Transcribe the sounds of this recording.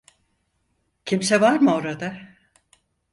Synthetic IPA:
cʰimsɛvaɾmɯo̞ɾad̪a

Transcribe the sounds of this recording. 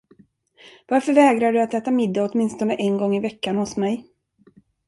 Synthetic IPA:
vaɾfœɾvɛːɡɾaɖɵat̪ɛːt̪amɪd̪ːaɔt̪mɪnst̪ɔnəʔɛnɡɔŋːɪvɛkːanhʊsmɛj

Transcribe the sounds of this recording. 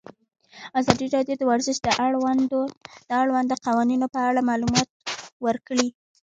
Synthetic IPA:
azɑd̪iɾɑd̪jod̪əwaɾzɪʃd̪əa | d̪̥əaɽwand̪əqawɑninopəaɽamɑlumɑt̪̚wəɾkɽi

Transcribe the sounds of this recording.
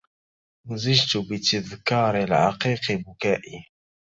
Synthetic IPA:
nzɪʒt̪ʊbɪt̪ɪðkɑːɾˤɪlʕɑ̰qiːqɪbʊkaːʔi

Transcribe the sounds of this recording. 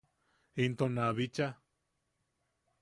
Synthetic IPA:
int̪onaβit͡ʃa

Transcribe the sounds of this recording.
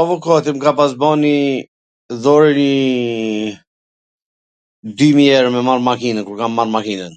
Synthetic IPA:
avɔkɔt̪imkapas̬bɔni | ðɔɾɛni | d̪ymiɛɾmɛmaɾmakinənkuɾkamːaɾmakinən

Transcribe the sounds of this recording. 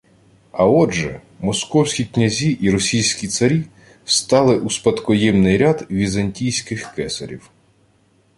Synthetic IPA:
ɐɔʒɛ̰ | mɔskɔwsʲkʲiknʲɐzʲiʔiɾɔsʲijsʲkʲit̪sɐɾʲi | st̪ɑlˠɪʔuspɐt̪kɔjɛmnɪjɾʲad̪ʋʲizɐnʲtʲijsʲkɪxkɛsɐ̰ɾʲḭw

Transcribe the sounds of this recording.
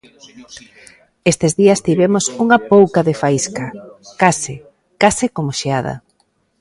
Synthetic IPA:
est̪ezðiɐst̪iβemosuŋɐpowkaðefaiskɐkasɪ | kasɪkomoʃeað̞ɐ̰

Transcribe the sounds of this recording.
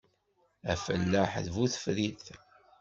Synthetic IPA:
æfə̰lːəħðvuθəfðiθ

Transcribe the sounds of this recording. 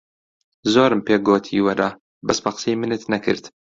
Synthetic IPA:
zoːɾɨmpeːɡoːt̪ʰiːwɐɾɐ | bɐsbɐqə̥sejmɨnɨt̪nɐkʰɨ̰ɾt̪

